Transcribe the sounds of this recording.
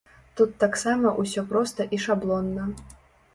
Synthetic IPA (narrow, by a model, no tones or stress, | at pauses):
t̪ut̪ːaksamɐʔusʲɔpɾɔst̪ɐʔiʂablˠɔnːɐ